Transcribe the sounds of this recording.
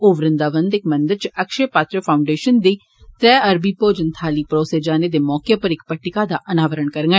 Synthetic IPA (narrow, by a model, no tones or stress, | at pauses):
oːʋɾɪ̃nd̪aːʋənd̪ɪkmɐ̃nd̪əɾt͡ʃɐkʃepaːt̪ɾəpʰaːʊɳɖeːʃənd̪iː | t̪ɾɛːɐɾbiːpoːd͡ʒənt̪ʰaːliːpɾoːsed͡ʒaːned̪emɔːkepəɾɪkpəʈːɪkad̪aʔɐnaːʋəɾəɳkəɾŋɡ